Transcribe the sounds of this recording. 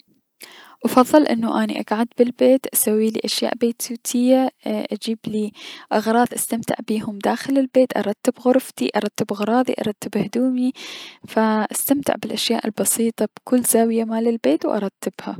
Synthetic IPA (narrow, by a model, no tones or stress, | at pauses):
ʔɑfɑðˤːɑlʔɪ̰nːuʔanḭʔa̰ɡʕad̪bɪlbeːt̪ʔasawːiːlḭːʔaʃja̰ːʔbeːt̪uːt̪ʰɪjːaʔad͡ʒiːbliʔɑɣɾˤɑːðˤʔast̪amt̪ɪ̰ʕbiːhʊmd̪aːxɪlɪlbeːt̪ʔɑ̰ɾˤɑt̪ːɪbɣʊɾˤft̪ḭʔɑɾˤɑt̪ːɪbɣɾˤɑːðˤḭʔɑ̰ɾˤɑt̪ːɪbhd̪uːmifaʔast̪amt̪ɪ̰ʕbɪlʔaʃjaːʔɪlbɑsiːt̪ˤɑb̥kʊlːzaːwɪjamaːlɪlbeːt̪wʔɑ̰ɾˤɑt̪ːɪb̥ha